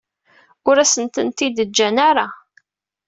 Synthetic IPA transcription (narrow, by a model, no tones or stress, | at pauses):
ʊɾæsənt̪ənt̪id̪əd͡ʒːænaɾa